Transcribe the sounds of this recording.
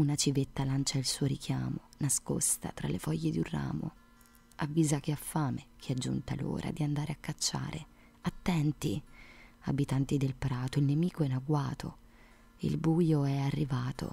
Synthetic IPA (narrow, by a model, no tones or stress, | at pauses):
unat͡ʃivet̪ːalant͡ʃailsuːoɾik̟jaːmonasko̰st̪a̰t̪ɾa̰lefɔʎːed̪jurrːa̰ːmo̰ | avːiːzak̟eafːaːmek̟ʰiad͡ʒːṵnt̪a̰lo̰ːɾʔa̰d̪iand̪aːɾeakːat͡ʃːa̰ːɾʔe | at̪ːɛnt̪i | a̰bit̪ant̪id̪elpɾaːt̪oilnemiːkoɛnaɡwaːt̪ʰo̰ | ḭlbuːjoɛarːivaːt̪o̰